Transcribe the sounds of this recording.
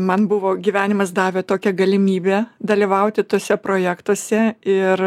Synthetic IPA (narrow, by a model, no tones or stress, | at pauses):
mɐnbʊʋoːɡʲiʋʲæːnʲɪmɐsd̪ɑːʋʲeːt̪oːkʲɛɡɐlʲɪmʲiːbʲeːd̪ɐlʲiʋɐʊt̪ʲɪt̪oːsʲɛpɾoːjæːkt̪oɔsʲɛɪr